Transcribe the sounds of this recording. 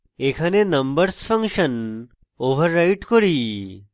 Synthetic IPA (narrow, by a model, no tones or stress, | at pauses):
ekʰanenəmbəɾsfə̃ŋkɕən | oʋəɾːaiʈkɔɽiː